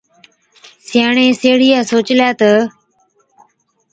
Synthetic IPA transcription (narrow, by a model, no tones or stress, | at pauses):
sɪjaːɳẽːseːɽiːaːsoːt͡ʃljaːt̪ə